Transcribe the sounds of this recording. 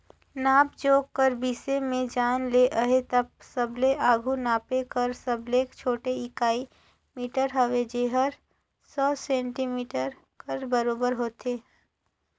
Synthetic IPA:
naːpd͡ʒoːɡkːəɾbiːsemẽd͡ʒaːnleʔəɦet̪ɐp̚ | səbleʔaːɡʱunaːpekəɾsəblekt͡ʃʰoːʈeɪkaːi | miːʈəɾɦəʋed͡ʒeːɦəɾ | sɔːsɛ̃ːɳʈimiːʈəɾ | kəɾbəɾoːbəɾɦoːt̪eː

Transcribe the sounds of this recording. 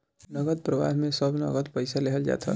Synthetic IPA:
nʌɡəd̪̚pɾəba̰ɦmesʌbnʌ̰ɡəd̪pəjsaleɦʌld͡ʒa̰t̪ʰʌ̰

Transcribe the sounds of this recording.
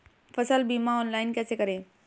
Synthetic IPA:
fɐsəlbiːmaɔːnlaːɪnkɛːsekɐɾẽː

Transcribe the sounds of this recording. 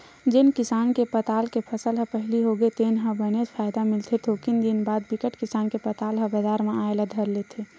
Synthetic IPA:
d͡ʒɪnkɪsaːnkepət̪aːlkepʰəsəlɦə̃pəɦliɦoɡet̪eːnɦə̃bənet̪pʰaːɪd̪amɪlt̪ʰet̪ʰokind̪inbaːd̪bɪkəʈkɪsaːnkepət̪aːlɦə̃bəzaːɾmẽaːelad̪ʱəɾlet̪ʰe

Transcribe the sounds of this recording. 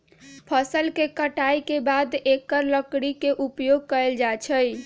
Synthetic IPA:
pʰəsəlkekəʈajkebad̪ekəɾləkɽikeʔupjoɡ̚kəeld͡ʒat͡ʃʰəj

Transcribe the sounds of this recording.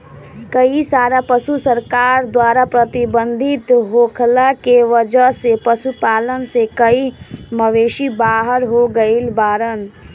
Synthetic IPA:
kəisaːɾapəsusəɾkaːɾd̪waːɾapɾət̪ɪbə̃nd̪ʱɪt̪ɦoːkʰlakeʋəd͡ʒəɦsepəsupaːlənsekəiməʋeːʃibaːɦəɾɦoɡəilbaːɾən

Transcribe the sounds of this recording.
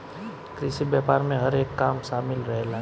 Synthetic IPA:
kɾisibjaːpaːɾmẽɦɐɾeːkːaːmʃaːmɪlɾɐɦela

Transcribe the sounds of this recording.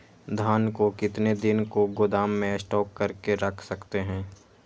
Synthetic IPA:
d̪ʱaːnkokɪt̪ned̪ɪnkoɡʊd̪aːmːẽsʈɔːkːɐɾkeɾɐkʰsɐkt̪eɦɛ̃ː

